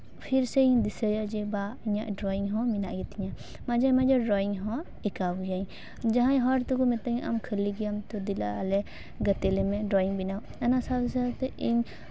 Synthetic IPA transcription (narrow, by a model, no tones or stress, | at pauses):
pʰiɾsɛiɲd̪isəjad͡ʒɛbaiɲaʔɖɾɔiŋɦɔ̃minaʔɡɛt̪iɲa | mad͡ʒamad͡ʒaɾɔiŋɦɔ̃ | ikawjaɲ | d͡ʒaɦãɲɦɔɾt̪ukɔmɛt̪əɲʔa̰mkʰəliɡijamt̪ɔd̪ila̰lɛ | ɡət̪ɛlɛmɛɖɾɔiŋbinaw | ɛnasabsat̪ɛʔiɲ